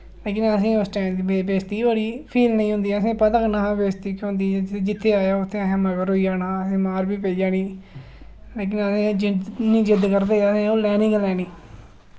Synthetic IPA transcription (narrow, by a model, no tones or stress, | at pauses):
leːk̬ɪnəsĩːosʈɛːmd̪ibebeːst̪iːbəɽiːpʰiːlnəĩːɦʊ̃nd̪iːəsẽːpət̪əknaãbeːst̪iːkːõnd̪iːed͡ʒɪt̪ʰːeːaːjaːʊt̪ʰːẽaːjãːməɡəɾoiːd͡ʒaːnaːəsĩːmaːɾbiːpeiːd͡ʒaːniː | leːk̬ɪnəsẽːd͡ʒɪd̪nĩːd͡ʒɪd̪kəɾd̪eːəsẽːoːlɛːnĩːŋɡlɛːniː